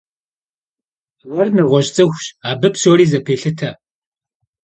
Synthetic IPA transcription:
wɐrnɨʁʷɔɕʼt͡sʼɨxʷɕaːbɨpɕoɾiːzɐpʰeːɬɨtʰɐ

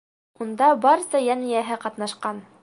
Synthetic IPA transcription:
und̪ɑbɑɾsɑjænijæɦɘqɑt̪nɑʃqɑn

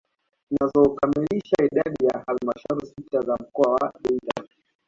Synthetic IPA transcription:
nazɔkamiliʃaiɗaɗijahalmaʃaɾusitazam̩kɔawaɗɛita̰li

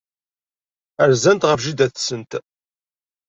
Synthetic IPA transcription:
əɾzænt̪ʁəfʒid̪æθsənt̪

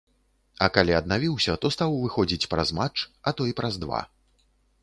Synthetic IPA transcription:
ɐkalʲiɐd̪navʲiwsʲɐt̪ɔst̪awvɨxɔd͡zʲit͡sʲpɾa̰zmat͡ʂɐt̪ɔipɾɐzd̪va̰

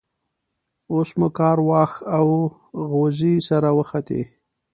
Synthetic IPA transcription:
osmukɑɾwɑxaw | ɣozisaɾawəxat̪ḛ

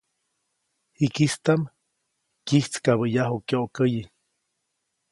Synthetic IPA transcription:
hikist̪am | kiht͡skaβəjaɦokjoʔkəji

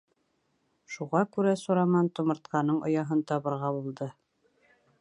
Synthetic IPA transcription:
ʃuʁɑkʉɾæsuɾɑmɑnt̪ŏmɤ̆ɾt̪̚qɑnɤɴʔŏ̰jɑɦɤnt̪ɑβɤ̆ɾʁɑbulˠd̪ɤ

